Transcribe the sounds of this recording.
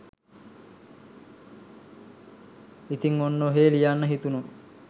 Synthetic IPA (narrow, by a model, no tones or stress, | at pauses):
it̪iŋonːoɦeːlijanːəɦit̪uno